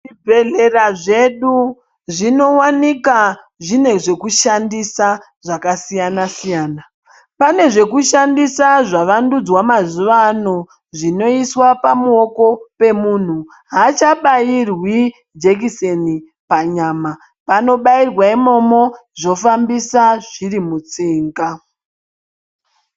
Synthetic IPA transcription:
ibʱeɮe̞raʐe̞ɗu | ʐino̞wanika | ʐine̞ʐe̞kuʃandisa | ʐakasijanasijaːna | pane̞ʐe̞kuʃandisaʐaʋandud͡zwamazuʋano | ʐino̞iswapamuo̞ko̞pe̞mun̤u | ɦat͡ʃaɓairwi | d͡ʒek̬iseni | paɲaːma | pano̞ɓairwaimo̞mo̞ | ʐo̞fambisaʐ̥irimut͡siːŋɡa

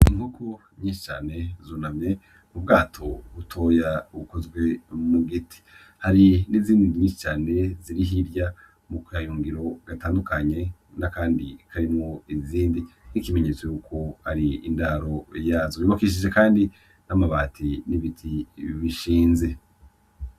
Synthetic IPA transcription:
iŋhukʰu | ɲiːʃi̥t͡ʃa̰ːne̞zuːnamɲe̞ | mubɡaːtʰo̞ɡutʰo̞ːjauuko̞zɡwe̞muɡitʰi̥ | haɾiniziːndiniɲiːʃi̥t͡ʃaːne̞ziɾiɦiɾja | mukajuːŋɡiɾo̞ɡ̥ataːndukaɲe̞nakaːndikʰaɾimŋoiziːndinikime̞ɲe̞t͡so̞juːkʰo̞haɾiḭndaɾo̞jaːzojuβakiʃid͡ʒe̞kaːndi | namaβaːtʰiniβitʰiβiʃiːnze̞

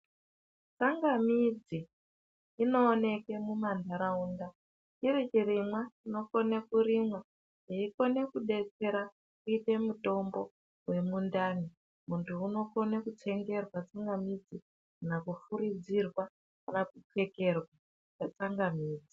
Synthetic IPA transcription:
t͡saŋɡamid͡ziː | no̞ːne̞ke̞mumandaɾaunda | irit͡ʃiɾimwaino̞konekuɾimwa | eiko̞ne̞kuɗe̞t͡se̞ɾa | kuite̞muto̞mbo̞ | we̞mundaːni | muntʰuuno̞ko̞nekut͡se̞ŋɡe̞rwat͡saŋɡamid͡zi | nakufuɾid͡zirwa | kanakuke̞ke̞rwa | t͡ʃat͡saŋɡamiːd͡zi

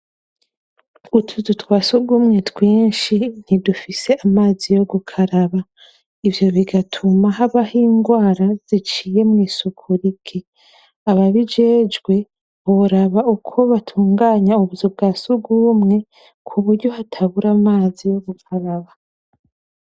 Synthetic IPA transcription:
utʰuzutwaːsuɡumŋe̞twiːnʃin̥idufise̞ʔamaːzijo̞ɡukʰaɾaβa | ivjo̞βiɡatʰumaɦaβahiːŋɡwaːɾaz̥it͡ʃiːje̞mŋiːsukʰuɾikʰe | aβaβid͡ʒe̞ːd͡ʒɡwe̞ | βoɾaβaukʰo̞βatʰuːŋɡaːɲauβuvjob̚ɡaːsuɡumŋe̞ | kʰuβuɾɟo̞hatʰaβuɾamaːzijo̞ɡukʰaɾaβa

